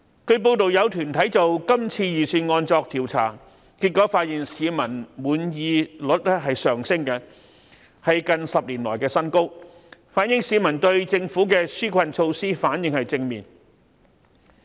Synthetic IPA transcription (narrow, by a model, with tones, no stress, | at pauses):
kʰɵ˨˧ɥp̬o˧wt̪o˨wjɐ˨˧wt̪ʰyː˨˩nt̪ʰɐ˨˥jt͡so˨wkɐ˥mt͡sʰiː˧jiː˨syː˧nŋɔː˧nt͡sɔː˧k̚t̪ʰiː˨˩wt͡sʰa̰ː˨˩ | ki˧t̚kːɔ˨˥faː˧t̚jiː˨ŋsiː˨˧mɐ˨˩nmuː˨˩njiː˨˧lɵ˨˥t̚ɛ˥ɦɐ˨jsœː˨˩ŋsɪ˥ŋkɛ˧ | hɐ˨jkɐ˨nsɐ˨p̚liː˨˩nlɔ̰ː˨˩jkɛː˧sɐ˥nko˥w | faː˨˥n̚jɪ˧˥ŋsiː˨˧mɐ˨˩nt̪ɵ˧ɥt͡sɪ˧ŋfuː˨˥kɛː˧syː˥kʷʰɐ˨nt͡ʃʰo˧wsiː˥faː˨˥njɪ˨˧ŋhɐ˨jt͡sɪ˧ŋmiː˨˩n